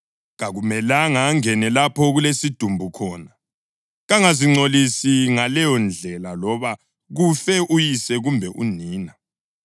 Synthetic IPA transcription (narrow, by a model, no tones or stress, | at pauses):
ɣaɣumɛlaŋaŋɛnɛlapʰɔɣulesid̥ʱumbʱukʰɔːna | ɣaŋaziŋ͡ǀolisiŋalɛjɔnd͡ɮʱɛlalɔβa | ɣufɛʔujisɛɣumbʱɛʔuniːna